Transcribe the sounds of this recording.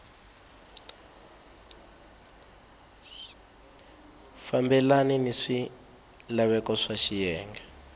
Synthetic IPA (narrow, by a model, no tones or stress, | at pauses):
fambɛlaniniʂi | laβɛkɔʂaʃijɛːŋɡɛ